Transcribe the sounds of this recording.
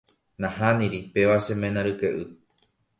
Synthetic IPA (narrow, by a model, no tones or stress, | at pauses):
nãhanĩɾipe̞ʋasemẽnãɾɨkeʔɨ